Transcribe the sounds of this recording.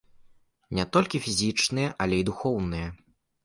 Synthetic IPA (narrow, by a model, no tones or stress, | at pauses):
nʲɛt̪ɔlʲkʲifʲizʲit͡ʂnɨjɛʔɐlʲɛid̪uxɔwnɨjɐ